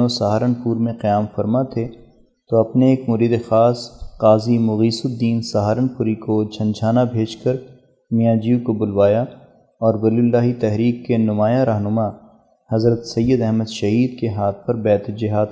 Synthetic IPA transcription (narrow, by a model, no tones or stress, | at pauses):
osɐɦaːɾənpuːɾmẽqijaːmfɐɾmat̪ʰe | t̪oɐpneeːkmʊɾiːd̪exaːsqaːzimʊɣiːsʊd̪iːnsaɦaːɾənpʊɾikod͡ʒʱɐ̃nd͡ʒʱaːnabʱeːd͡ʒkɐɾ | mijãːd͡ʒiːukobʊlʋaːja | ɔːɾwɐlilːaːɦit̪ɛɦɾiːkːenʊmaːjaɾaɦnʊma | hɐzɾət̪sɐjːəd̪ɛɦməd̪ʃɐɦiːd̪keɦaːt̪̚ʰpɐɾbɛːt̪d͡ʒɪɦaːd̪